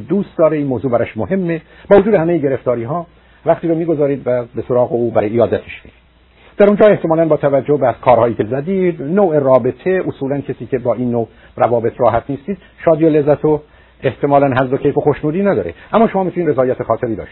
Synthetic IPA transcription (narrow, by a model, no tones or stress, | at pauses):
d̪uːst̪d̪ɒːɾeiːnmoːzuːbæɾɒʃmoɦe̞mːeb̥ɒːvod͡ʒuːd̪ehæmejeɟe̞ɾeft̪ɒːɾiːɦɒː | væχt̪iːɾomiːɡo̞zɒːɾiːd̪væbesoɾɒːɣeuːbæɾɒjijɒːd̪æt̪ʰe̥ʃmḭɡid̪ | d̪æɾund͡ʒɒːeht̪e̞mɒːlænbɒːt̪ʰævæd͡ʒːohbækʰɒːɾhɒːjiːcʰezæd̪iːd̪noːʔerɒːbet̪ʰeʔosuːlæncʰesiːcʰe̞bɒːʔiːnːo | rævɒːbe̞t̪ʰrɒːɦæt̪ʰniːst̪iːd̪ | ʃɒːd̪iːolezːæt̪ʰo | eht̪ʰe̞mɒːlænɦæzd̪ocʰejfoxoʃnuːd̪iːnæd̪ɒːɾḛʔæmːɒːʃo̞mɒːmit̪ʰuniːnɾezɒːjæt̪ʰexɒːt̪ʰeɾiːd̪ɒ̰ːʃt̪i̥